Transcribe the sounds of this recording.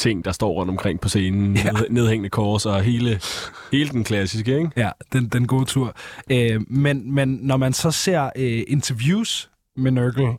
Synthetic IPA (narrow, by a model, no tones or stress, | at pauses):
t͡sʰe̝ŋ̰d̥ɑ̈sd̥ɒ̰ːʁɔ̽n̰d̥ɒ̽mkʰʁeŋ̰pʰɒ̽se̝ːnn̩ne̝ð̞ˠeŋ̰nəkʰɒːsɒ̽ɦe̝ːlə | he̝ːləd̥enkʰlæsisɡ̥əeɡ̥jæd̥end̥enɡ̥o̝̰ːt͡sʰuɐ̰ømenmenːɒmænsɒ̽se̝̰ɐ̰ʔe̝nt͡sʰɐʋjuːs | menøɡ̥l̩